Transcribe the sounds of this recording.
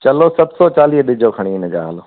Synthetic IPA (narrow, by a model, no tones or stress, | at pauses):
t͡ɕɐlosɐbsɔt͡ɕaːliːɦɗɪd͡ʑʱokʰɐɽ̃iɪnə̆d͡ʑa̰ːɦaːloː